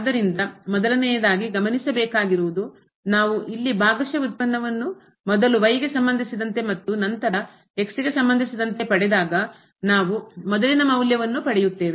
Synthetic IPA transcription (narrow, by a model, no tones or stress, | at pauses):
ɐd̪ɐɾind̪ɐmɔd̪ɐlɐnɛjɐd̪aːɡiɡɐmɐnisɐbɛːkaːɡiɾuʋud̪u | naːʋuʔilːibaːɡɐʃɐut̪̚pɐnːɐʋɐnːu | mɔd̪ɐluʋɐjɡe̞sɐmbɐnd̪ʱisid̪ɐnt̪e̞mɐt̪ːunɐnt̪ɐɾɐ | eksiɡe̞sɐmbɐnd̪ʱisid̪ɐnt̪e̞pɐɽɛd̪aːɡɐ | naːʋumɔd̪ɐlinɐmɐwljɐʋɐnːupɐɽɛjut̪ːe̞ːʋe